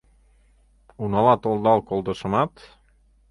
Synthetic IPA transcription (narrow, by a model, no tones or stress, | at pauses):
unɑlˠɑt̪olˠd̪ɑlˠkolˠd̪ɤ̆ʃɤ̆mɑt̪